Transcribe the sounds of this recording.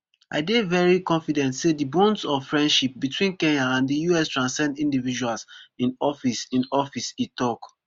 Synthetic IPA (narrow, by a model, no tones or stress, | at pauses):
a̰ɪdevɛɹikɔ̃nfidɛ̃ntsedibɔ̃ndsɔffɹɛ̃ndʃip̚bitʰwĩnkɛ̃naãndijuɛstɹãnsɛ̃ndĩndivid͡ʒualsĩnɔfisĩnɔfisitɔk